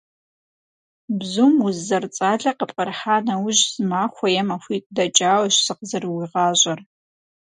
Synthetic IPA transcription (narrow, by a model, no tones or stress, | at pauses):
bzumuzːɐrt͡sʼaːɮɐqəpʼqɐrħaːnɐwʊʑz̥ɨmaːxʷɔjɛmɐxʷiːtʼdɐt͡ʃʼaːwɕsɨqzɐrɨwiːʁɑːʑʼɐr